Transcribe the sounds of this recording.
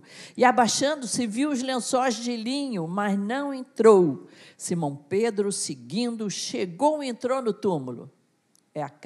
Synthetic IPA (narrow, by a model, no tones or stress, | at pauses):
ɪabaʃɐ̃nd̪ʊsɪviwʊzlẽsɔzd͡ʒɪlĩɲʊmɐznɐ̃w̃ẽnt̪ɾowsimɐ̃w̃ped̪ɾʊsɪɡĩnd̪ʊʃeɡowẽnt̪ɾownʊt̪umʊlʊ̰ | ɛak